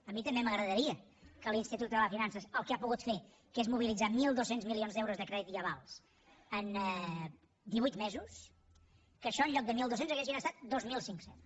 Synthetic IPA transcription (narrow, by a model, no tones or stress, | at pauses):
əmit̪əmbeməɣɾəðəɾiəkəlinst̪it̪ut̪̚d̪ələfinansəsəlˠkeapuɣut̪fe | kezmuβ̞ilid͡zamilˠd̪osenzmilionzd̪ɛwɾuzðəkɾɛðit̪iəβalˠs | ənɛ | d̪iβujt̪mezus | kəʃɔənʎɔk̚d̪əmilˠd̪osenzəɣeʒinəst̪at̪̚d̪ozmilˠsiŋksen